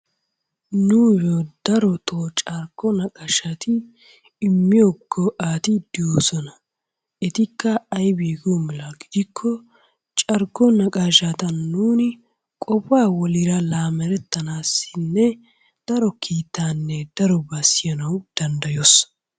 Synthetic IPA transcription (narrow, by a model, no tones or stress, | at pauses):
nujod̪̥ɐɾɔt̪ʰoːt͡ʃʼɐɾɡɔnɐkʼɐʃɐt̪ɪː | mːɪjoɡːɔʔaːt̪ɪd̪̥ɪjoːsɔnɐ | ɛt̪ɪkːɐɐjbiːɡomɪlaɡɪd̪ɪkʰːɔ | t͡ʃʼɐɾɡɔnɐkʼaʃat̪ɐnːuːnɪ | kʼɔpːaːwɔlɪɾɐlaːmɛɾɛt̪ːɐnaːsːɪnːɛ | d̪̥ɐɾɔkʰiːt̪ːaːnːɛd̪̥ɐɾɔbɐsɪjɐnɐwd̪̥ɐnd̪ɐjoːs